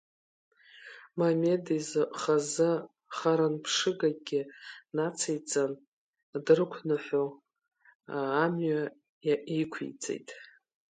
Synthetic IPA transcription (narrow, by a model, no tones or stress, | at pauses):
mamedizɨχazɨ | χaɾanpʰʂɨɡaɡʲɪnat͡sʰejt͡sʼan | dɨrɨkʷʰnɨħʷo | mɥa | jaikʷʰḭt͡sʼḛjtʼ